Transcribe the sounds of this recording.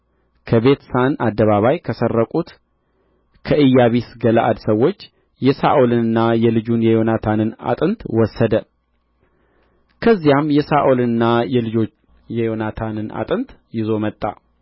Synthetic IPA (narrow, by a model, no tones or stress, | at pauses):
kʰəβe̞t̪sanad̪ːəβaβajkʰəsərːəkʼut̪ | kʰəʔɨjːaβisɡəlaʔad̪səwːo̞t͡ʃː | jɛsa̰ʔolɨnɨnːajɛlɨd͡ʒunjɛjo̞nat̪ʰanɨna̰t̪ʼɨnt̪wɔsːəd̪ə | kʰəzːijamjɛsaʔolɨnːajɛlɨd͡ʒo̞ | jɛjo̞nat̪ʰanɨnʔa̰t̪ʼɨnt̪jɪzo̞mət̪ʼːa̰